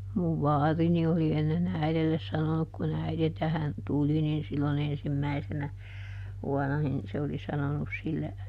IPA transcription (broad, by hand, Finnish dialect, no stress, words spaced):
muʋ ʋɑːrini oli enːen æiðelːes sɑnonuk kun æiðe tæhæn tuli nin silːon ensimːæisenæ ʋuɔnˑɑ nin se oli sɑnonus silːe